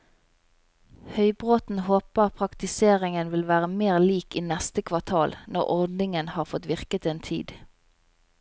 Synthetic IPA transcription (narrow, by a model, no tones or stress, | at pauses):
hœʏbʁoːt̪n̩hoːpəʁpʰʁɑkt̪ɪseːʁɪŋənʋɪlʋæːʁəmeːʁliːkiːnɛst̪əkʰʋɑʁt̪ʰɑːlnɔʁɔʁd̪n̩ɪŋənhɑːʁfɔt̪ʋɪʁkət̪eːnt̪ʰḭːd̪